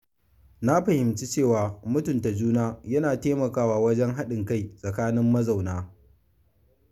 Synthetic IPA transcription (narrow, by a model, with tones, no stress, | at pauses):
na˦ɸɐ˨hɪ˨mt͡ʃi˦t͡ʃeː˦˨waː˨mʊ˦tʊ˨nta˨d͡ʒuː˦naː˦jɐ˦naː˨teː˦mɐ˨kaː˦waː˨wɐ˦d͡ʒɛ˦ŋɦa˦ɗɪ˨ŋka˦˨jsʼɐ˨kaː˦nɪ˦mːɐ˦za˨wnaː˦